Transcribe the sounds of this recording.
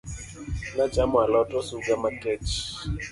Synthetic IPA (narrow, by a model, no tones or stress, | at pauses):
nad͡ʒamʊalɔtʼɔsuɡamatʼɛt͡ʃ